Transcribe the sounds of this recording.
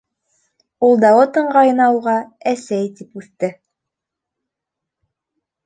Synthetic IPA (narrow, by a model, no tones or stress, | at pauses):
ulˠd̪ɑwɤt̪ɤ̆ɴɢɑjɤnɑwʁɑæsæjt̪ipʉθt̪ɘ